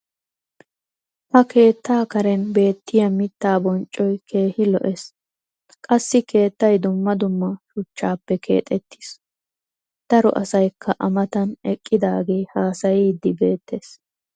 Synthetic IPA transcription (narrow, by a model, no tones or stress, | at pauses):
hɐke̞ːt̪ːaːkɐɾɛnbe̞ːt̪ːɪjɐmɪt̪ːaːbɔnt͡ʃʼːɔjkʰe̞ːhɪlɔ̰ʔes | kʼɐsːɪkʰe̞ːt̪ːɐjd̪ʊmːɐd̪ʊmːɐʃʊt͡ʃːaːpːɛkʰe̞̰ːt̪ʼɛt̪ːi̥s | d̪̥ɐɾɔ̰ʔɐsɐjkʰːɐʔɐmɐt̪ɐnɛkʼːɪd̪aːɡe̞ːhaːsɐjid̪ːɪbe̞ːt̪ʰːe̞ːs